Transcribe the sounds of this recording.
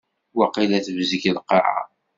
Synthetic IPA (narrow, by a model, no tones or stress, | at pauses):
wɑqilæθəvziçlqːɑ̰ʕa̰